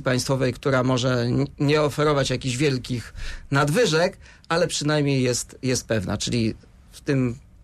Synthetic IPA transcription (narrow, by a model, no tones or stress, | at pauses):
ipaj̃st̪fɔvɛjkt̪uɾamɔʐɛɲɛɔfɛɾɔvat͡ɕjakʲiʑvʲjɛlkʲixnad̪vɘʐɛk | alɛpʂɘnajmʲɲejːɛst̪jɛst̪̚pɛvna̰t͡ʂɘ̰lʲi | ft̪ɘm